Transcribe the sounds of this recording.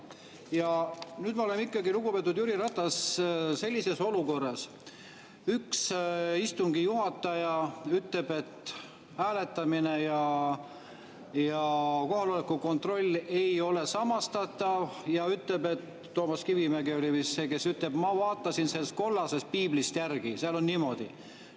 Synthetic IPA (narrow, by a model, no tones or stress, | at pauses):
jɑnyːd̪mɑolemikːˑɑɡilukupe̞ːt̪ːud̪̥juɾiɾɑt̪ːˑɑsse̞lʲːise̞so̞luko̞rːɑs | yksist̪umɡ̥ijuɦɑt̪ːˑɑjɑyt̪le̞b̥e̞t̪ | hæːle̞t̪ːˑɑminejɑ | jɑko̞ɦɑlolekːuko̞nt̪ro̞lʲːe̞jo̞le̞sɑmɑst̪ɑt̪ːˑɑvjɑyt̪ˑle̞be̞t̪ːo̞ːmɑskivimeɡio̞livisːe̞ːke̞syt̪ˑle̞b̥mɑvɑːt̪ːɑsinselst̪̚ko̞lːɑse̞st̪̚piːblist̪jærɡ̥iseɑlo̞nniːmo̞d̪̥ḭ